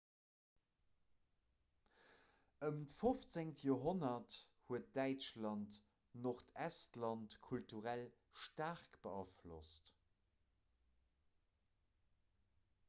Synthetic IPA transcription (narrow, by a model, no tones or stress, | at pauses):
əmtəfoft͡seŋtjoːɦonɐthuət̚d̥æɪt͡ʃlɑnt | noχtʰæstlɑntkʰultuʁæl | ʃtaʁkb̥əɑflo̰st